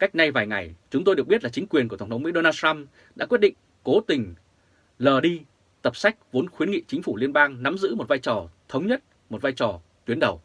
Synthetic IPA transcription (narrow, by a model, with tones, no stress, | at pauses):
ka˦˥jk̚na˧jvaː˨˩jŋa˨˩jt͡ɕʊ˨˦ŋ͡mt̪o˧jɗək̚ɓt̚laː˨˩t͡ɕŋkwi˨˩ənku˧˩ə˩˨˩t̪ʰŋ͡mmḭ˧˥ɗo˧naː˧tʰa˧m | ɗa̰ː˧˥wət̚ɗḭ̈˧˨ŋ̟ | ko˨˦t̪ï˨˩ŋ̟ | ləː˨˩ɗi˧ | t̪ə˨˩p̚sa˦˥jk̚vo˨˦nxwi˨˦nŋḭ˧˨t͡ɕï˨˦ŋ̟fu˧˩li˧ənɓaː˧ŋna˨˦mzɨ̰˧˥mo˨˩t̚vaː˧jt͡ɕɔ˨˩t̪ʰə˨˦wŋ͡mɲə˦˥t̚ | mo˨˩t̚vaː˧jt͡ɕɔ˨˩ | t̪wi˨˦ənɗə˨˩w